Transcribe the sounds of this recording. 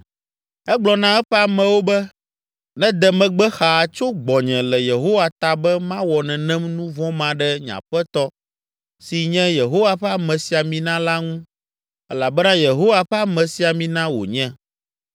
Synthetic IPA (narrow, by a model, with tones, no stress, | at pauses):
ɛ˦ɡ͡blɔ˨nã˦ɛ˦ɸɛ˦a˨mɛ̃˨wo˦bɛ˦ | nɛ̃˦d̪ɛ˨mɛ̃˨ɡ͡bɛ˦xa˨t͡ʃo˦ɡ͡bɔ˨ɲɛ̃˨lɛ˨je˨ɦo˦wa˨t̪a˨bɛ˦mã˦wɔ˨nɛ̃˨nɛ̃˦mnũ˦vɔ̃˦mã˨ɖɛ˦ɲã̰˨ɸɛ˦t̪ɔ˦ | si˨ɲɛ̃˦je˨ɦo˦wa˦ɸɛ˦a˨mɛ̃˨si˨a˨mĩ˨nã˦la˦ŋũ˦ | ɛ˦la˨bɛ˦nã˦je˨ɦo˦wa˨ɸɛ˦a˦mɛ̃˨si˨a˨mĩ˦nã˦wo̰˨ɲɛ̃˦